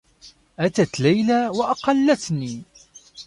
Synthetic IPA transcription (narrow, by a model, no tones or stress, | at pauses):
ʔæt̪at̪læjlawaʔɑqɑlːat̪ni